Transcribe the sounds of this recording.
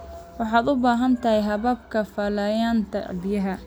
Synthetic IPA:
wɑħɑːd̪ʊbaːɦɐnt̪ʰɐɦɛjɦɐβɐb̚kʰɐfɐlɐːjaːnt̪ʰɐ̰bɪjɐɦɐ

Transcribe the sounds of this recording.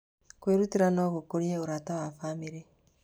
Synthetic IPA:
kweɾutiɾanɔβokoɾieoɾatawafamiɾe

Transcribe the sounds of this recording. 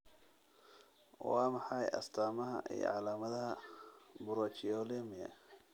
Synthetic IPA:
wɑːmɑħɑjʔɐ̰st̪ʰaːmɐɦɐ̰ʔḭjɔ̰ʕɑlaːmɐðɐɦɐbʊɾɔt͡ʃijɔlimɪjɐ̰

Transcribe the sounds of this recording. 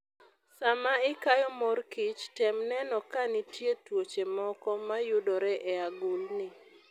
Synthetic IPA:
samaɪkajɔmɔrkɪt͡ʃtɛmnɛnɔkanɪtjetwot͡ʃemɔkɔmajʊdɔɾɛʔɛaɡʊlnɪ

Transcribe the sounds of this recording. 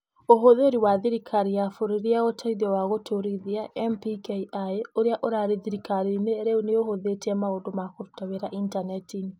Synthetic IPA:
oɦoðeoɾiwaːðiɾikʰaɾiafoɾeɾiaɣotʰaiðɔwaɣotʰoɾiðiaʔɛmpikeʔaeoɾeaʔoɾaːɾeðiɾikaɾineːɾeoneohoðetɛmaoːndomakoɾutaβeɾaʔintanɛtini

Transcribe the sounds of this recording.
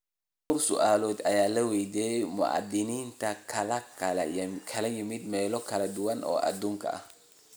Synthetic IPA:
kɔɾsʊ̰ʔaːlɔːd̪ɐjaːlɐwɛjd̪eːmʊ̰ʔa̰d̪ɪnint̪ɐkʰɐlɐkkʰɐlɐjɪmɪd̪mɛːlɔkʰɐlɐd̪ʊwɐnʔɔ̰ːʔɐ̰d̪uŋkʰɐ̰

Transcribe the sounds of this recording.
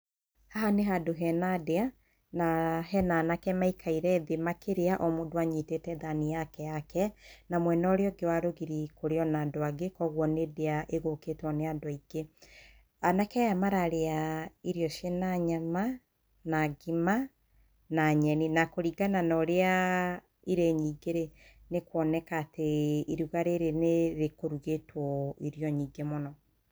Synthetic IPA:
haɦaneɦadoɦɛnadea | naɦɛnanakɛmaikʰaiɾɛðemakeɾeaʔɔmodwaɲitetɛðanijakɛjakɛnamwɛnɔɾeɔɡewaɾoɣiɾikoɾeɔnadoaɡekɔɣwɔnedeaʔeɣokeːtwɔneadɔiɡe | anakɛjamaɾaɾeaiɾjɔʃenaɲama | naɡima | naɲɛninakoɾiɡananɔɾea | iɾeɲiːɡeɾenekwɔnɛkaːteiɾuɣaɾeɾeneðekoɾuɣetwɔiɾjɔɲiːɡemɔnɔ

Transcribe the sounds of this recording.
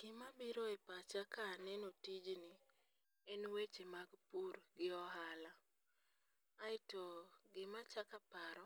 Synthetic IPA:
ɡ̥ɪmabiɾoepat͡ʃakanɛnotid͡ʒnɪ | ɛnwet͡ʃemaɡpuɾɡɪɔɦala | aɪtoɡɪmat͡ʃakapaɾɔ

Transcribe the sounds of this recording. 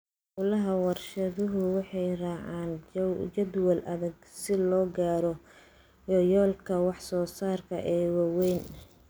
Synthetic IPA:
ʔʊlɐɦɐwɑrʃɐðʊɦʊwɑħɑjrɑːʕɑːnt͡ʃɐd̪wɐlɐðɐɡsɪlɔːɡaːɾɔ | jɔjɔːlkʰɐwɑħsɔːsaːrkʰɐ̰ʔɛːwɑwɛjn

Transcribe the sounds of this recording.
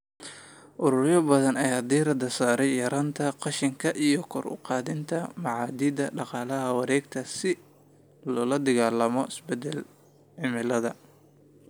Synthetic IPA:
ʔʊɾʊɾjɐbɐðɐnɐjaːd̪iːɾɐd̪ɐsaːɾɛjjɐɾaːnt̪ʰɐqɑʃɪŋkʰɐʔijɔkʰɔ̰rʊ̰qɑːðɪnt̪ʰɐmɑʕɑːd̪id̪ɐɖɑqɑːlɐɦɐwɑɾɛːɡt̪ʰɐsɪ | lɔːlɐd̪ɐɣaːlɐmɔʔɪsbɛd̪ɛl | ʕɪmɪlɐðɐ

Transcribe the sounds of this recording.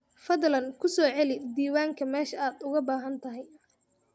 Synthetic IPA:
fɐðlɐŋkʰʊsɔːʕɛlɪd̪iːwaːŋkʰɐmɛːʃɐaːd̪ʊɣɐbaːɦɐnt̪ʰɐɦɛj

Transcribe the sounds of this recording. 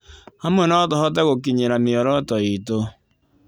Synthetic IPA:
hamwɛnɔtɔhɔt̬ɛɣokiɲeɾameɔɾɔtɔito

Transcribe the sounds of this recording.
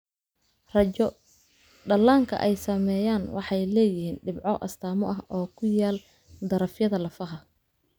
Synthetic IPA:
rɐɔ | ɖɐlaːŋkʰɐ̰ʔɛjsɐmɛːjaːnwɑ̰ħɑjlɛːjɪhiːnɖɪbʕɔʔɐ̰st̪ʰaːmɔʔɐɦɔːkʰʊjaːl | d̪ɐɾɐfjɐðɐlɐfɐɦɐ

